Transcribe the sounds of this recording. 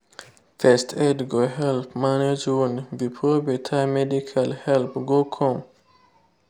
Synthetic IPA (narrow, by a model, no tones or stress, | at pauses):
fɛstʰɛtɡoɦɛlpmaned͡ʒunvipʰɾobətʰamɛdikʰalhɛlpɡokʰɔŋ